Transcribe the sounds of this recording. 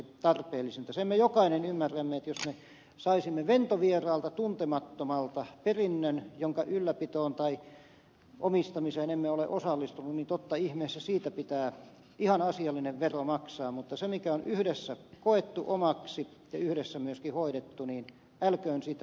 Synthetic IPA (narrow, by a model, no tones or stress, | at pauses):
t̪ɑrpeːlːˑisent̪æsemːejokɑinenymːæræmːeet̪josme | sɑisimːeʋent̪oʋierɑːlt̪ɑt̪unt̪emɑt̪ːomɑlt̪ɑperinːønjoŋkɑʔylːæpit̪oːnt̪ɑi | ʔomist̪ɑmiseːnemːeolḛʔosɑlːist̪ununnint̪ot̪ːɑihmeːsːæsiːt̪æpit̪æː | ihɑnɑsiɑlːineʋʋeromɑksɑːmmut̪ːɑsemikæonyhdesːækoet̪ːuʔomɑksi | jɑyhɾesːæmyøskihoiɾet̪ːuniːn | ælkøːnsiːt̪æ